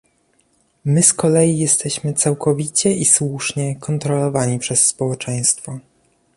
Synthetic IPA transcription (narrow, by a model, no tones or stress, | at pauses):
mɘskɔlɛjijɛst̪ɛɕmɘt̪sawkʰɔvʲit͡ɕɛʔiswuʂɲɛkɔnt̪ɾɔlɔvaɲipʂɛsːpɔwɛt͡ʂɛj̃st̪fɔ